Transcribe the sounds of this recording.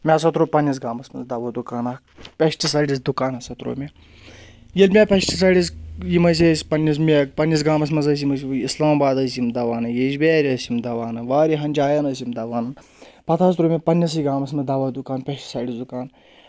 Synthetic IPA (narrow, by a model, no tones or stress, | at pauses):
mʲes̬ɐt̪ɾoːpɐnʲːis̬ɡaːmɐsmɐ̰nzd̪ɐʋɐd̪ukaːnɐ | pʲɐʃʈisaːɽis̬d̪ukaːnɐsɐt̪ɾo̰ːmʲe | jɐlʲmʲepʲɐʃʈis̬ɐːɽʲisjimɐs̬ʲesʲpɐnːis̬mʲepɐnʲːis̬ɡaːmɐs̬mɐnzɐs̬jimɐs̬ʲislaːmbaːd̪ɐsjimd̪ɐʋaːnɐjeʃbeːɾʲɐsimd̪ɐʋaːnɐʋaːɾiɦɐnʲd͡ʒaːjɐnɐsʲimd̪ɐʋaːnɐ | pɐt̪ʰaːst̪ɾoːmʲepɐnʲːis̬iɡaːmɐsmɐd̪ɐʋɐːd̪ukaːnpʲɐʃʈi̥saːɽisd̪ukaːn